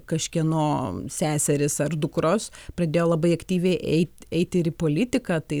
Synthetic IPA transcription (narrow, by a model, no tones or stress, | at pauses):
kɐʃʲkʲiɛnoːsʲæːsʲɛɾʲɪsɐrd̪ʊkɾoːspɾɐd̪ʲeːjoːlˠɐbɐɪɐkt̪ʲiːʋʲɛɪʔɛ̰ɪt̪ʲɛɪt̪ʲɪɾɪpoːlʲɪt̪ʲɪkɑːt̪ɐɪ